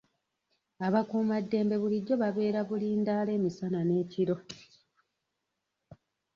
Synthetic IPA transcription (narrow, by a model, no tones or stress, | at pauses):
aβakuːmadːe̞ːmbe̞βuliɟːo̞βaβe̞ːɾaβuliːndaːle̞ːmisanane̞ːciɾo̞